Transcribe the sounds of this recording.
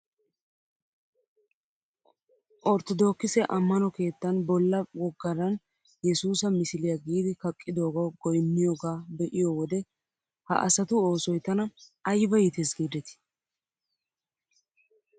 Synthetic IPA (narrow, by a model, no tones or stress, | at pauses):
ʔɔɾt̪ɔd̪o̞ːkːɪsɛʔɐmːɐnɔke̞ːt̪ːɐnbɔlːɐwɔɡːɐɾɐn | jɛsuːsɐmɪsɪlɪjɐɡiːd̪ɪkɐkʼːɪd̪o̞ːɡɐwɡɔjmːɪjoːɡaːbɛʔɪjowɔd̪ɛ | hɐ̰ʔɐsɐt̪ʊoːsɔjt̪ːɐnɐɐjbɐjɪt̪ɛsɡiːd̪ɛt̪ɪ̥